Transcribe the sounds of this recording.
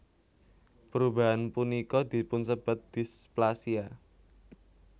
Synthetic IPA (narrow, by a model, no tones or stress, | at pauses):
pəɾubaɦanpunikɔd̪̥i̤pʊnsəb̥a̤t̪̚d̪̥i̤splasia